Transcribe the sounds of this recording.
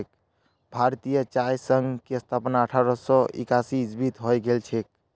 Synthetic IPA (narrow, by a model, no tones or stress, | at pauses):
k | bʱaɾt̪ijət͡ʃajsəŋɡkeəst̪ʰapnaəʈʰaɾɔsɔ̃ʔḛkasid͡ʒbit̪ɦɔjɡelt͡ʃʰek̚